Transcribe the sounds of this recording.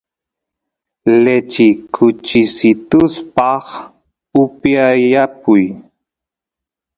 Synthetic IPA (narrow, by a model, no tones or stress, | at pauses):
let͡ʃɪkʰʊt͡ʃɪsɪt̪ʊspɑχ | ʊpjaapʊj